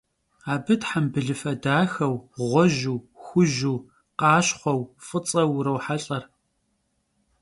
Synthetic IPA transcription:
aːbɨtħambɨɮɨfɐdaːxɐwʁʷɔʑuːxʷʊʒuː | qɑːɕχʷɔwfʼɨt͡sʼɐwɾɐwħaɬʼɐr

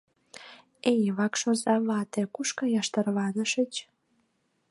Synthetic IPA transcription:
ejβɑkʃozɑβɑt̪ekuʃkɑjɑʃt̪ərβɑnəʃə̆t͡ɕ

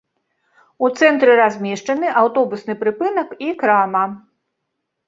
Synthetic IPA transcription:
ut̪sɛnt̪ɾɨɾazʲmʲɛʂt͡ʂɐnɨʔawt̪ɔbusnɨpɾɨpɨnɐkikɾamɐ

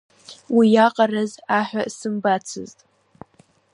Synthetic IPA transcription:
wijaqʼarazaħʷᶣasɨmbat͡sʰɨ̰ztʼ

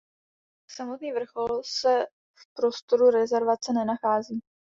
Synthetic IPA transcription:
samot̪niːvr̩xo̞lsɛ | fpɾo̞st̪o̞ɾuɾɛzɛɾvat͡sɛnɛnaxaːziː

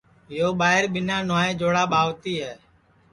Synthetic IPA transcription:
ɪɦoːɓaːɦɪɾɓɪnãːnaːẽːd͡ʒoːɽaːɓaːʋt̪iːɦɛː

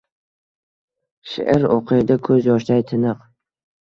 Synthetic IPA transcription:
ʃḛʔɪɾoqʰɨd̪akʰɵzjɒʃt̪ajt̪ʰɪnɨq

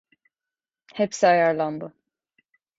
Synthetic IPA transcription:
hɛpsiajaɾlˠanbɯ

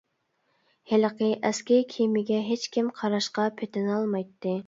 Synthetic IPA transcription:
heləqəʔɛskʲɛɾkʲʰimɪɡʲɛɦet͡ʃkʲimqʰɑɾɑʃqɑpʰet̪ɪnɑlˠmɑjt̪ʰːɨ

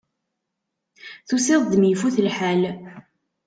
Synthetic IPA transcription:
θusɪðˤðmjfuθəlħæl

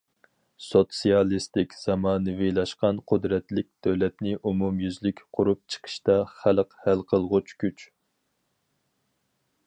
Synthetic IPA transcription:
sot̪sijɑlˠist̪ɪkʲz̥ɑmɑːnɨvɪlˠɑʃqɑnqʰʊd̪ɾɛt̪lɪk̚ʲd̪̥øwlɛt̪nɪʔumumjyzlɪkʲqʰʊɾup̚t͡ʃʰə̥qʰə̥ʃt̪ɑχæləqhælqʰəlˠʁʊt͡ʃʰkʲyt͡ʃ

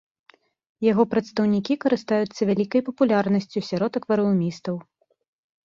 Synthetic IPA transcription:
jaɣɔpɾɐt̪st̪ɐwnʲikʲikɐɾɨst̪ajut̪sːɐvʲalʲikɐjpɐpulʲarnɐsʲt͡sʲusʲaɾɔt̪ɐkvɐɾɐmʲist̪ɐw

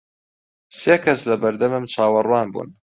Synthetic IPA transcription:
seːkʰɐslɐbɐɾd̪ɐmɨmt͡ʃʰaːwɐrwaːnbṵːn

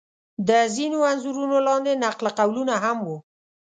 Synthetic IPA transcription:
d̪əzinoanzuɾunolɑnd̪enaqlqawlunaɦamwu

